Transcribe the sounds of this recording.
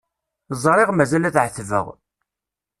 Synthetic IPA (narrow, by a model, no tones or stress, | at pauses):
zˤɾˤɪʁmæzælæθʕəθvə̰ʁ